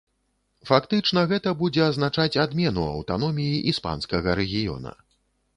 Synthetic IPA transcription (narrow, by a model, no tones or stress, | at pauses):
fakt̪ɨt͡ʂnɐɣɛt̪ɐbud͡zʲɛɐzn̪at͡ʂat͡sʲad̪mʲɛnuɐ̰wt̪anɔmʲijiʔispa̰nskɐɣɐɾɛɣʲijɔ̰nɐ̰